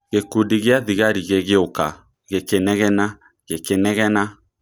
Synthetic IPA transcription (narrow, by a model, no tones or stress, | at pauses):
ɣekudiɣeaðiɣaɾiɣeɣeoka | ɣekenɛɣɛna | ɣekenɛɣɛna